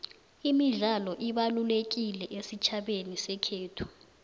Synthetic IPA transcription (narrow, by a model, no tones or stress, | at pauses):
imiɮalɔʔiɓalulek̬ilɛʔesit͡ʃʰaɓenisɛkʰeːtʰu̥